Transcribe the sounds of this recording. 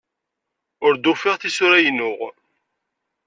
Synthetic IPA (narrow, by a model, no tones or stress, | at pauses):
ʊɾd̪ufɪʁθisʊɾæjnʊʁ